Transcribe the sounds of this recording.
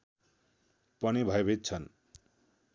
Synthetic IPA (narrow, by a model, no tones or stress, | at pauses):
pʌnibʱʌebʱet̪̚t͡sʰʌn